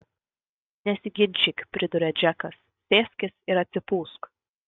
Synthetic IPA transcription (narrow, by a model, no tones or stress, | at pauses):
nʲɛsʲɪɡʲɪnʲt͡ʃʲɪkʲpʲɾʲɪd̪ʊɾʲɛd͡ʒʲɛkɐsːʲeːsʲkʲɪsɪɾɐt̪ʲsʲɪpuːsk